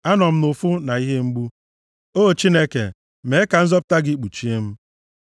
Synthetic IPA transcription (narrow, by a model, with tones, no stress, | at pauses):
a˦nɔ˨m̩˦nʊ˨fʊ˦na˨i˦ɦe˦ŋ͡m̩˦ɡ͡bu˦ | o˦˨t͡ʃi˦ne˦kḛ˨ | me˨˦ka˨n̩˦zɔ˦pʊ̥˦ta˦ɡɪ˦k͡pu˨t͡ʃi˦e˦m̩˦